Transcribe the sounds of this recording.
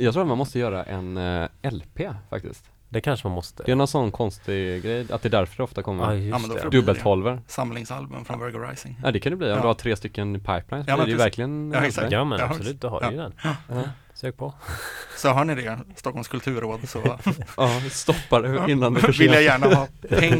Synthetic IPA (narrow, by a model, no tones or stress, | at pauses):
jɑːɡt̪ɾuːat̪manmɔst̪əjœːɾaʔɛ̰nɛlpʰeːfa̰k̚t̪ɪ̰skt̪ | d̪ɛkʰanʂəmanmɔst̪əɛnɔnsɔnːkʰɔnst̪ɪɡɾɛjːa̰t̪̚d̪ɛd̪æɾfœɖɛɔft̪akʰɔmːəɾnd̪d̪ɵbːəlʰhɔlvəɾsamlɪŋsa̰lbɵ̰mfɾɔnvɛɾɡəɾa̰jsɪŋɛ̰ːd̪ɛkʰand̪əbliːɔd̪əhat̪ʰɾeːst̪ʏkːənɪpʰaɪplaɪnsɔɛvæɾklɪɡənsamɛnsɔlʉ̟ːt̪̚d̪ɛha̰ɾɛ̰jd̪ɛnɑ | søːk̚pʰɔsɔɦaɳɪd̪ɛst̪ɔkʰːɔlmskʰɵlt̪ʰʉ̟ːɾoːd̪sɔɑst̪ɔpːaɾɛɪnːand̪ɛfvɪljajæːɳahɑːɛŋ